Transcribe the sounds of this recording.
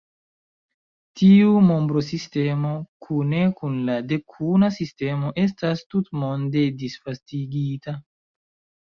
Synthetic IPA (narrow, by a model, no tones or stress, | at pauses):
tiumo̞mbɾo̞siste̞mo̞kʰune̞kunlade̞kʰunasiste̞mo̞ʔe̞stastutmo̞nde̞disfastiɡita